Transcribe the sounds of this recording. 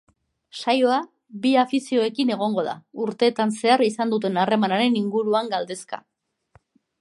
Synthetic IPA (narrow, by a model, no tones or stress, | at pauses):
sajo̞a | βiafisio̞e̞kine̞ɣ̞o̞ŋɡo̞ð̞a̰uɾt̪e̞ːt̪anse̞aɾisand̪ut̪e̞nare̞manaɾe̞niŋɡuɾuaŋɡald̪e̞ska̰